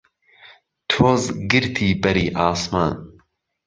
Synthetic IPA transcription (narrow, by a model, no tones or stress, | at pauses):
t̪ʰoːzɡɨɾt̪ʰiːbɛɾiːʔaːsma̰ːn